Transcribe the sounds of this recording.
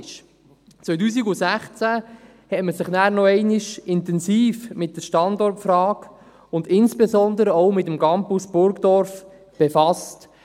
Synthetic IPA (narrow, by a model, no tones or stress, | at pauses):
ʃ | t͡sʋœjt̬uːs̬iɡusæχt͡sæ | hɛtməsɪχnæːɾnɔɛɪnɪʃɪntɛnsiːfmɪt̚dəʃtɑndɔrtfrɑːk | ʊndɪnsb̥ezɔnd̪əɾəoʊmɪtəmɡɑmpusb̥ʊɾɡd̥ɔɾf | b̥efɑst